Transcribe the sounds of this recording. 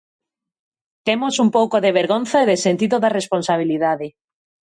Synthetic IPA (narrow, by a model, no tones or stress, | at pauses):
t̪emosumpowkoðeβeɾɣonθaeðesent̪iðoðaresponsaβ̞iliðaðe